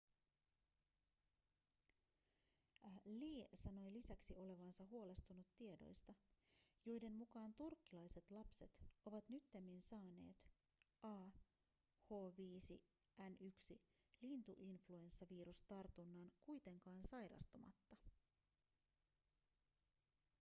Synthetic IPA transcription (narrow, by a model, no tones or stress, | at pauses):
liːsɑno̞jlisæksiʔo̞le̞ʋɑnsɑɦuo̞le̞st̪unut̪ːie̞do̞̰jst̪ɑjo̞jde̞mːukɑːnt̪urkːilɑjse̞t̪lɑpse̞t̪o̞ʋɑt̪nyt̪ːemːinsɑːne̞̰ːt̪ | ʔɑː | ho̞ːʋiːsḭ | ʔænyksi | lint̪uʔinflue̞nsːɑʋiːɾust̪ɑrt̪unːɑːnkujt̪e̞ŋkɑːnsɑjɾɑ̰st̪omɑ̰t̪ːɑ